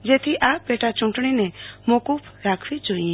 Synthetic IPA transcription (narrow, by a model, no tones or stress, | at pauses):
d͡ʒet̪ʰiʔaːpeʈʰat͡ʃʊ̃ɳʈɳinɛmokupʰɾaːkʰʋit͡ʃoĩ